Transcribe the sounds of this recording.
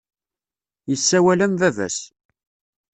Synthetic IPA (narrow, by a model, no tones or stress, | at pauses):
jəsːæwælæmvævæ̰s